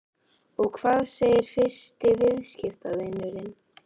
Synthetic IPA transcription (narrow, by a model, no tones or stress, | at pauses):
ɔɣkʰvaːðseːjɪɾ̥fɪ̥st̪ɪvɪðscɪft̪aðejnʏɾɪn